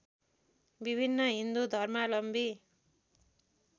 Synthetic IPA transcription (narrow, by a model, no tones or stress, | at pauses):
bibʱinːʌɦind̪ud̪ʱʌrmalʌmbi